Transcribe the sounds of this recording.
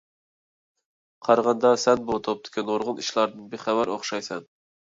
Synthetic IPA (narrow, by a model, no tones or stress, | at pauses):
qʰɑɾʁɑnd̪ɑsænbot̪ʰop̚d̪ɪ̥kʰʲanoɾʁʊnɪʃlˠɑɾd̪ɪnbeχævæɾoχʃɑjsɛn